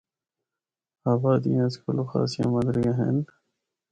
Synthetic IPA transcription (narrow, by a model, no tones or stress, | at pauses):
aːbaːd̪ijãːskʊloxa̰ːsijã̰ːmɐd̪ɾiɡaɦḛːn